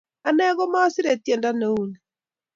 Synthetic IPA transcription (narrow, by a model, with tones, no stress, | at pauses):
a˦nɛ˦ɣɔ˦ma˦ɔ˦sɪ˦ɾe˨tjɛ˨nda˦ne˨u˦˨ni˨